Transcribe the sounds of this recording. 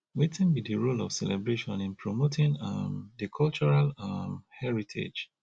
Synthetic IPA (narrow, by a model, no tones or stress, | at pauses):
wetĩnbidəɹolɔv̥sɛlɛbɹeʃɔ̃nĩnpʰɹɔmotʰĩŋʌmdəkʰɔlt͡ʃɔɹalamhɛɹitʰḛd͡ʒ